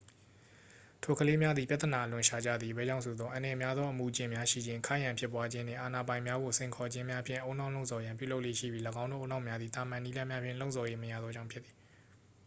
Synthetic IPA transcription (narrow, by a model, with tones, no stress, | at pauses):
tʰo˨kʰəle˦mja˦d̪ði˨pja˦t̪ːəna˨ʔəlʊ̃˨ʃa˨d͡ʑa̰˦˨d̪ði˨bɛ̰˦˨d͡ʑã˦˨so˨d̪ðɔ˦ʔã˨njɛ˨mja˦d̪ðɔ˦ʔəmu˨d͡ʑɪ̃˨mja˦ʃḭ˦˨d͡ʑɪ̃˦ŋkʰa̰˦˨jã˨mpʰjɪ˦p̬wa˦d͡ʑɪ̃˦n̥ɪ̰̃˦˨ʔa˨na˨bã˨ɪ̃mja˦ɡo˨sẽ˨ɪŋkʰɔ˨d͡ʑɪ̃˦mja˦pʰjɪ̃˦˨ʔõ˦ʊ̃nã˦˨lo˦ʊʔsʰɔ˨jã˨mpjṵ˦˨lo˦ʊʔlḛ˦˨ʃḭ˦˨bji˦ləɡã˦ʊ̃no˦˨õ˦nã˦˨mja˦d̪ði˨t̪a˨mã˨ni˦lã˦mja˦pʰɪ̰̃˦˨lõ˦ʊʔsɔ˨je˦məjä̰˦˨d̪ðɔ˦d͡ʑã̰˦˨mpʰɪ˦t̪ːi̥˨